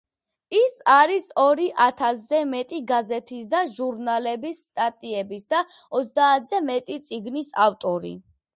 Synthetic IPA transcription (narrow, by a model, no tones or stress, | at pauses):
isaɾisɔɾiʔat̪ʰaszɛmɛt̪ʼiɡazɛt̪ʰisd̪aʒuɾnalɛbisːt̪ʼat̪ʼiɛbisd̪a | ɔt̪sd̪aːt̪ʰz̥ɛmɛt̪ʼit̪sʼiɡnisaft̪ʼɔɾḭ